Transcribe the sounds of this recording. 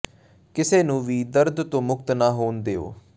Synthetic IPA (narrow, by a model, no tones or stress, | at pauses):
kɪseːnũːʋiːd̪əɾd̪t̪õːmʊkt̪naːɦoːnd̪eːo̰ː